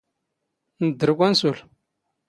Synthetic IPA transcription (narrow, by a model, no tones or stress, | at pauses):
ndəɾk̬ʷansul